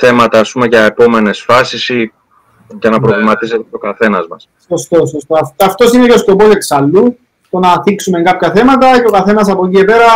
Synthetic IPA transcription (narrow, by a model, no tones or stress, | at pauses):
θe̞mɐt̪ɐːspume̞ʝɐepo̞me̞ne̞sfɐsisi | ʝɐnɐpɾo̞vlimɐt̪ise̞t̪et̪o̞kɐθe̞nɐzmɐsso̞st̪o̞sost̪oɐɐft̪o̞sineceo̞sko̞po̞se̞ksɐlːu | t̪o̞nɐθiksumeŋkɐpçɐθe̞mɐt̪ɐce̞o̞kɐθe̞nɐsɐpociepe̞ɾɐ